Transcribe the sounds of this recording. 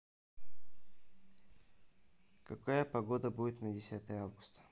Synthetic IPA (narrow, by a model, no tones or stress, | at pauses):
kɐkajəpɐɡod̪əbudʲɪt̪nədʲɪsʲat̪əjəavɡʊ̥st̪ə̥